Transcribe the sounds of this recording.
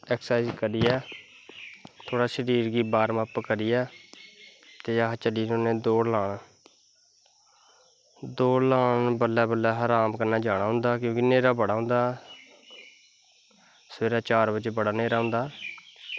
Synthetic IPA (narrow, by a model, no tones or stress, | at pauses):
ɛːksaːɪzkəɾiːɛː | t̪ʰoːɽaːʃəɾiːɾɡiːbaːɾməpkəɾiːɛː | t̪eːaːɦt͡ʃəliːnoːnẽːd̪oːlaːɳaː | d̪oːlaːnbəlːɛːbəlːɛːɦaːɾaːmkəɾnaːd͡ʒaːɽ̃aːɦʊ̃nd̪aːkjõːkɪneːɾaːbəɽaːɦʊ̃nd̪aː | səʋeːɾãːt͡ʃaːɾbəd͡ʒebəɽaːneːɾaːɦʊ̃nd̪aː